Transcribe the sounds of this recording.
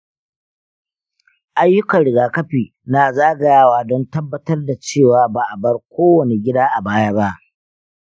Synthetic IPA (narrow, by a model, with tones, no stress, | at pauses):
ʔa˦jːʊ˦kɐ˨nɽɪ˨ɡaː˨kɐ˦ɸiː˨ | naː˨zaː˦ɡa˨jaː˦˨waː˨dɔ˦ntɐ˦bːɐ˦tɐ˦rda˨t͡ʃeː˦˨waː˨ba˨ʔa˨bɐ˦rkʷoː˦wɐ˨ne˨ɡʲɪ˦daː˦ʔa˨baː˦ja˦ba˦ʔ